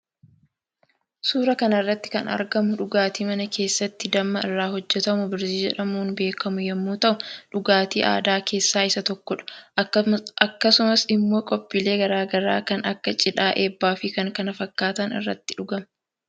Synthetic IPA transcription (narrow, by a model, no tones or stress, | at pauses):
suːɾɐkɐnɐrːɐt̪ːɪ̥kɐnɐ̰ɾɡɐmʊᶑʊɡaːt̪iːmɐnɐkʰe̞ːsːɐt̪ːɪd̪ɐmːɐɪrːaːɦɔd͡ʒːɛt̪ɐmʊbɪɾsiːd͡ʒɛᶑɐmuːnbe̞ːkɐmʊjɛmːuːt̪ɐʔʊᶑʊɡaːt̪ḭːʔa̰ːd̪aːkʰe̞ːsːaːɪsɐt̪ɔkːɔᶑɐ̥ | ɐkːɐsʊmɐsɪmːo̞ːkʼɔpʼːɪle̞ːɡɐɾaːɡɐɾa̰ːkɐnɐkːɐt͡ʃʼɪᶑaːʔeːbːaːfɪkɐŋkɐnɐfɐkːaːt̪ɐnɪ̰rːɐ̰t̪ːɪᶑʊɡɐm